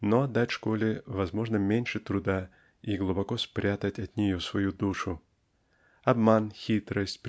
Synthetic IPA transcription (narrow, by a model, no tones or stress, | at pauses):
noɐd̪d̪atʲʂkolʲɪvɐzmo̞ʐnəmʲenʲʂɨt̪ɾʊd̪a | iɡlˠʊbɐkospɾʲat̪ətʲɐt̪ʲnʲɪjosvɐjud̪uʂʊ | ɐbmanxʲit̪ɾəsʲtʲp